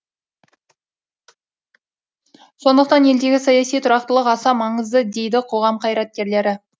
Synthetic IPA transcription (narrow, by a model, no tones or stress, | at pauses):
so̞nd̪əq̚t̪ɑne̞ld̪e̞ɡʲɪsɑjɑsijt̪ʰʊɾɑqt̪əlˠəqɑsɑmɑɴəzd̪əd̪e̞jd̪ɪqʰo̞ʁɑmqʰɑjɾɑt̪̚kʲe̞ɾle̞ɾɪ